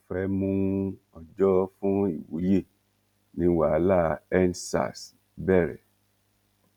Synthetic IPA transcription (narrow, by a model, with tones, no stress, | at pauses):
fɾɛ˨˦mũ˧ | ɔ˨d͡ʒɔ˦fũ˦i˦˨wṵ˨˦je˦˨ | nĩ˧wa˨˦la˦˨ɛ˦n˦sa̰˦˨s | bɛ˦˨ɾɛ̰˨